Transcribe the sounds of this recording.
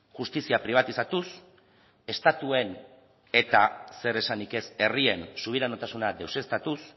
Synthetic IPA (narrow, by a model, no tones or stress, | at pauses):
ʝust̪isiapɾiβ̞at̪isat̪us | e̞st̪at̪ue̞n | e̞t̪ase̞ɾe̞sanike̞se̞rie̞nsuβ̞iɾano̞t̪asunad̪e̞wse̞st̪at̪us